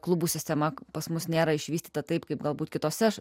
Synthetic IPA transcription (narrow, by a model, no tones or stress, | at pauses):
klˠʊbuːsʲɪsʲt̪ʲɛmɐpɐsmʊsnʲeːɾɐɪʃʲʋʲiːsʲt̪ʲiːt̪ɐt̪ɐɪpkɐɪpɡɐlˠbuːt̪kʲɪt̪oːsʲɛ